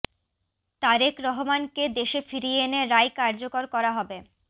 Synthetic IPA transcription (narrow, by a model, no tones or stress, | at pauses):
t̪aɾekɾɔɦomanked̪eʃefiɾieeneɾajkaɾd͡ʑokoɾkɔɾaɦɔbe